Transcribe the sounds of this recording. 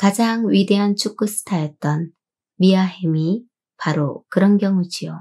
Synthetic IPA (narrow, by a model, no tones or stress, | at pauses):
kad͡ʑaŋwɥide̞ɦant͡ɕʰuk͈usʰɯ̥tʰajʌt̚t͈ʌn | miaɦemi | paɾokɯɾʌnɡjʌŋud͡ʑio